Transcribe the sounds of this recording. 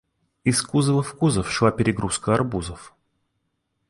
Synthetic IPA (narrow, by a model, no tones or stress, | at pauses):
ɪskuzəvəfkuzəfʂlˠapʲɪɾʲɪɡɾuskəɐrbuzəf